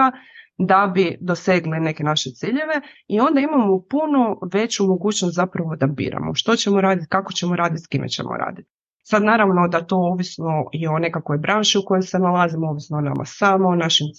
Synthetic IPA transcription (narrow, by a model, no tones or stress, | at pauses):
ad̪abid̪o̞se̞ɡline̞ke̞naʃet̪siːʎe̞ʋe̞io̞nd̪aimamopunoʋe̞t͡ɕumoɡuːt͡ɕnost̪zapɾaʋo̞d̪abḭːɾa̰mo̰ʃt̪o̞t͡ɕe̞moɾaːd̪it̪kako̞t͡ɕe̞moɾaːd̪it̪skimḛt͡ɕḛmo̰ɾa̰ːd̪it̪ | sad̪naːɾaʋno̞d̪at̪o̞oʋisnoio̞ne̞kakojbɾʔanʃiuko̞jojse̞nalˠazimooʋisnoona̰mʔa̰samoːnaʃim